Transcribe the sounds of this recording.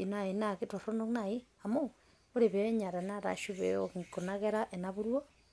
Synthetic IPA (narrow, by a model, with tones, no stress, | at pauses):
i˨na˨i˨na˨keto˨ɾo˦no˦kna˨i˦ | a˨mo˦ | o˦ɾe˨βe˨e˦ɲa˨ɾa˨na˦ɾa̰˨ʃu˦βḛ˨oŋko˨na˦ɣe˦ɾa˦ʔe˨naβu˦ɾwo˦